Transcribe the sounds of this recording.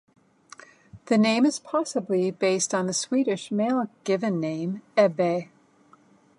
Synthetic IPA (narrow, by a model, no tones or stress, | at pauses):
ðɨnẽɪ̃mɨz̥pʰɑsəblibeɪstn̩ðɨswiɾɨʃmeɪlˠɡ̥ɪvɨ̃nːẽɪ̃mɛbeɪ